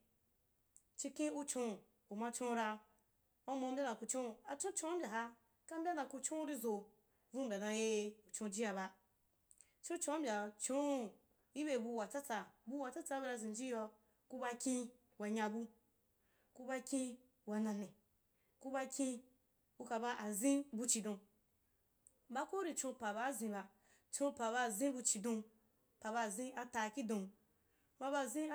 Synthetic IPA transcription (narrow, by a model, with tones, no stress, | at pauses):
t͡ʃi˧kĩ˦u˦t͡ʃõ˧ | u˨ma˧t͡ʃõ˦˧ɾa˧ | o˦ma˧m̩˦bʲa˦nã˧ku˧t͡ʃõ˦˨a˨t͡ʃõ˦t͡ʃõ˦bʲa˨ɦa˧ | ka˦m̩˦bʲa˦nã˧ku˧t͡ʃõ˦ɾi˦zo˧ | vu˦m̩˦bʲa˨nã˧je˧˦u˨t͡ʃõ˧˦d͡ʒi˦ja˧ba˧ | t͡ʃõ˦t͡ʃõ˦bʲa˨t͡ʃõ˦ | i˦be˧bu˧wa˨t͡sa˦t͡sa˧bu˧wa˨t͡sa˦t͡sa˧˦e˧ɾa˧zĩ˨n˦d͡ʒi˦jo˧ | ku˧ba˧kʲĩ˦ | wa˨ɲã˧bu˧ | ku˧ba˧kʲĩ˦ | wa˨nã˧nẽ˨ | ku˦ba˧kʲĩ˧ | u˧ka˨ba˧ʔa˨zĩ˦bu˧t͡ʃi˨dõ˧ | ba˦ko˦ɾi˧t͡ʃõ˧pa˨ba˧˦zĩ˧ba˧ | t͡ʃõ˧pa˨ba˧˨zĩ˦bu˧t͡ʃi˨dõ˧ | pa˨ba˧˨zĩ˧a˧ta˧ki˦dõ˧ | ba˧ba˧˨zĩ˦